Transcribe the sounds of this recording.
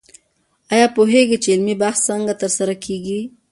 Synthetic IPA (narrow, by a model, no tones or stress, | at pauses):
ɑjɑpuɦeɡit͡ʃeɪlmibaxssaŋɡat̪əɾsaɾakʰeɡi